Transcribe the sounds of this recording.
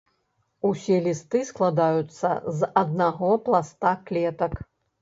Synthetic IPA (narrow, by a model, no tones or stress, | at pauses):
usʲɛlʲist̪ɨsklˠad̪ajut̪sːɐ̰zɐd̪̚naɣɔplˠast̪aklʲɛt̪ɐk